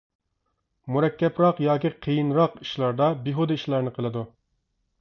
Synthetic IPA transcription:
muɾɛkʲːɛpɾɑqjɑːkʲiqʰejinɾɑqi̥ʃlˠɑɾd̪ɑbiɦod̪ɪiʃlˠɑɾnɨqʰəlˠɨd̪u

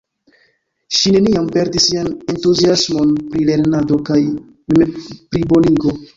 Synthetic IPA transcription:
ʃine̞niampe̞ɾdisːiane̞ntuziasmo̞npɾile̞ɾnado̞kaj | mepɾibo̞niɡo̞

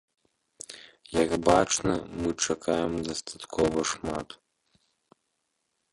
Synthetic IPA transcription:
jɐɡbat͡ʂnɐ̰mɨt͡ʂakʰajɛmd̪ɐst̪ʰat̪kʰɔʋɐʂmat̪

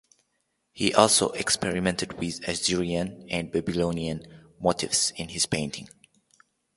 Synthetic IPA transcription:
hiʔɔlˠso̰ʔɛkspɛɹimɛ̃ntɨd̚wɪðaziɹiə̃næ̃n̚bæbilõniə̃nmotʰɪvz̥ɪ̃nhɪz̥pẽntʰɪ̃ŋ

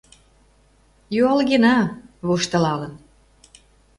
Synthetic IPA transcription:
juɑlɣenɑβoʃt̪ə̆lɑlə̆n

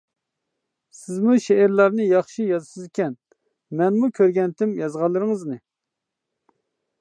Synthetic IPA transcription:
sɪzmuʃeːɾlˠɑɾnɨjɑχʃijɑzɨʃsɪzɪkʲɛn | mɛnmukʲʰøɾɡʲɛnt̪ʰɪmjɑzʁɑlˠːɨɾɨŋɨznɨ

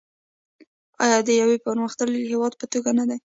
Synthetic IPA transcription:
ɑ̰jɑd̪əjawepəɾməxt̪əlhewɑd̪̚pət̪oɡanad̪aj

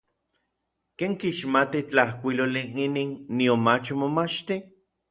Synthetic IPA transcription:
keːŋkiʃmat̪it͡ɬahkʷiloliiniːnːiomat͡ʃmomat͡ʃt̪i

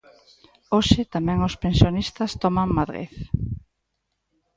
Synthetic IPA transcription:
oʃɪt̪amɛ̃ŋʊspensjonist̪ɐst̪ɔmaŋmaðɾḛθ

